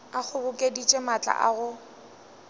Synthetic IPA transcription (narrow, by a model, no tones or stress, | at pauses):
ak͡xʰʊbʊkʼedit͡ʃʼemat͡ɬʼa̰ʔa̰ɣʊ